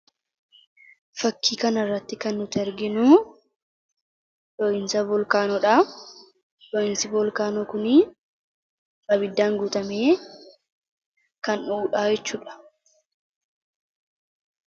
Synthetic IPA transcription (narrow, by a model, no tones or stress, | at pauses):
fɐkːiːkɐnɐrːɐt̪ːɪkɐnːʊt̪ɛɾɡɪnʊ | ᶑɔʔɪnsɐbɔlkaːnɔᶑaː | ᶑɔʔɪnsɪbɔlkaːnɔkʊni | bɐbɪd̪ːaːŋɡuːt̪ɐmeː | kɐnuːᶑaːjɛt͡ʃːuːᶑɐ̥